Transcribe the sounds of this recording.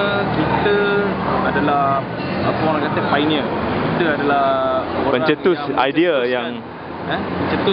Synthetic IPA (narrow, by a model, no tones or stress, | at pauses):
kit̪ə | adalah | apəalãkat̪əfajniəkit̪əadalahpəɲt͡ʃət̪ʊsa̰jdiajaŋ | ɛpəɲt͡ʃət̪u